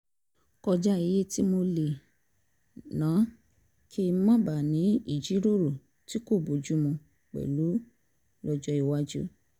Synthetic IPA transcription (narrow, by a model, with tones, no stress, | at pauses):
kɔ˧d͡ʒa˦i˧je˦ti˦mo˧le˨ | nãː˨˦ | kʰi˦mã˦ba˨nĩ˨˦i˦˨d͡ʒi˨˦ɾo˦˨ɾo˦˨ | ti˦ko˦˨bo˨d͡ʒu˦mũ˧ | k͡pɛ̰˨lu˨˦ | lɔ˧d͡ʒɔ˧i˨wa˦d͡ʒṵ˦